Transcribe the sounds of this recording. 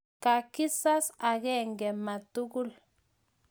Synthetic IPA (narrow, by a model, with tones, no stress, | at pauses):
ka˨ki˦sa˦sa˨ɣɛ˦˨ŋɡɛ˨ma˨tu˦ɡu˦l